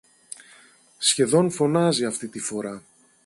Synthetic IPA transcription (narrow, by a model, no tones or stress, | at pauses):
sçe̞ðo̞nfo̞nɐziɐft̪it̪ifo̞ɾɐ